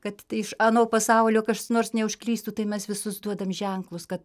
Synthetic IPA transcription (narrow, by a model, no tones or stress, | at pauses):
kɐt̪ɪʃɐnoːpɐsɐˑʊlʲoːkɐʃsnoːrsnʲɛʊʃʲklʲiːst̪uːt̪ɐɪmʲɛsʋʲɪsʊsd̪uɔd̪ɐmʒʲɛŋklˠʊskɐt̪